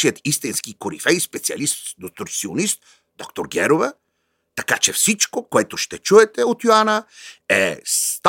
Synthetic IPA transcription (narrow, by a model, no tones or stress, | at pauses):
iət̪ist̪inskikoɾḭfɛjspɛt̪sia̰list̪d̪ot̪ʊɾsionist̪̚ | d̪ɔkt̪oɾɡʲɛɾovə | t̪akat͡ʃɛfsit͡ʃkokoɛt̪oʃt̪ɛt͡ʃuɛt̪ɛot̪joanəɛst̪